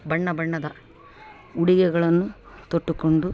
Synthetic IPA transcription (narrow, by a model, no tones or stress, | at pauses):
bɐɳːɐbɐɳːɐd̪ɐ | uɽiɡɛɡɐɭɐnːu | t̪oʈːuko̞ɳɖu